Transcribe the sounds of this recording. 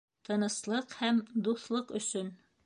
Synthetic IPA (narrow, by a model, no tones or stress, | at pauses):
t̪ʰɤ̆nɤ̆slˠɤqhæmd̪uθlˠɤqɵ̆sɵn